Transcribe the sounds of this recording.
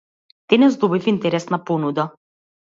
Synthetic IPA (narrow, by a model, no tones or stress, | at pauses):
d̪̥ɛnɛzd̪ɔbifint̪ɛɾɛsnapɔnud̪a